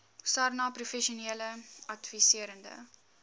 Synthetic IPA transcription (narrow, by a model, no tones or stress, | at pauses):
sɐrnɑːprufɛʃuneːləɐtvisiəɾəndə̰